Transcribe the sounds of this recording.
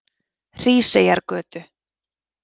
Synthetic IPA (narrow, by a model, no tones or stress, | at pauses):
r̥iːsejaɾkœːt̪ʏ